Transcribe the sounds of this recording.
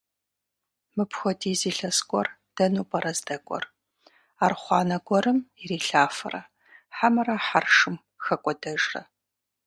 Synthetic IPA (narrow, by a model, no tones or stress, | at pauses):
mɨpʰxʷɔdiːziːɬɐskʷʼɔr | d̥ɐnuːpʼɐɾɐzdɐkʷʼɔ̰r | aːrχʷɑːnɐɡʷɔɾɨmiriːɬaːfɐrɐ̰ | ħamɨrɐħarʂɨm | xɐkʷʼɔdɐʒrɐ̰